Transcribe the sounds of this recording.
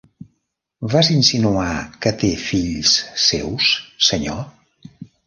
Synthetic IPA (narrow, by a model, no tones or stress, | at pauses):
vazinsinuakət̪efiʎssḛwsːəɲo